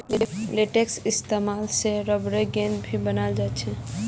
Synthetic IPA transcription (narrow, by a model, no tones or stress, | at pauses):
leʈeksist̪emalseɾəbɾeɡẽnd̪bʱibənald͡ʒat͡ʃʰɛ